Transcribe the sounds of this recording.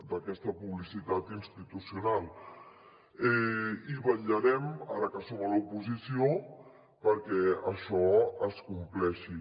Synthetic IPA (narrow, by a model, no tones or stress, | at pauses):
d̪əkɛst̪əpuβlisit̪at̪inst̪it̪usiunalˠ | ɛiβəʎəɾɛmaɾəkəsoməlupuzisio | pəɾkɛəʃɔəskumplɛʃi